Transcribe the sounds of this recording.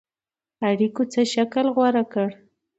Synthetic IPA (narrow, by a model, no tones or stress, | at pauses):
aɽikot͡səʃakəlɣwaɾakəɽ